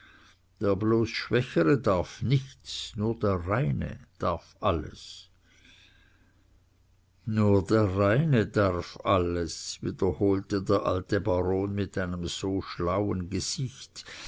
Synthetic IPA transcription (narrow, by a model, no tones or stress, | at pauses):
d̥eːɐbloːsʃv̥ɛçəʁədaɐfnɪçtt͡snuːɐd̥eːɐʁaɪnə̰d̥aɐfʔalə̰s | nuːɐdeːɐʁaɪnədaʁfʔaləsvḭːd̥ɐhoːltədeːɐʔa̰ltəbaʁoːnmɪtaɪnəmz̥oːʃlaʊənɡəz̥ɪçt